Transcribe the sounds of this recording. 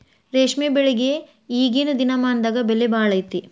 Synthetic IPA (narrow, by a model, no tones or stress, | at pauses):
ɾeːʂmebeɭeɡe | iːɡeːnud̪inɐmaːnd̪aːɡɐbelːebaːɭɐjt̪i